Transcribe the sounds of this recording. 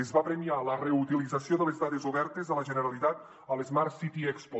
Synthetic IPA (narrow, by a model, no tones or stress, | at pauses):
ezβapɾemialəreut̪ilid͡zasioðəlezðaðezuβɛɾt̪ezðələʒənəɾalit̪at̪̚ | əlezmaɾsit̪iɛkspo